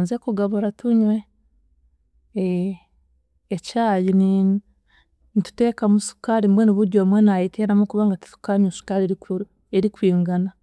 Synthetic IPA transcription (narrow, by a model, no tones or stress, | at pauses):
nzekuɡaβuɾatuɲwe | caːjini | nitu̥te̞ːkamusu̥kaɾimbweniβuɾɟomwenaiteɾamokuβaːŋɡati̥su̥kaɾɲusu̥kaɾieɾi | eɾikwiːŋɡana